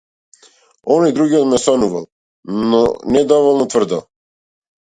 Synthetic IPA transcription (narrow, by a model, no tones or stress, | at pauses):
ɔnɔjd̪ɾuɡiɔt̪mɛsɔnuva̰lˠ | nnɔnɛd̪ɔvɔlˠnɔt̪vrd̪alˠ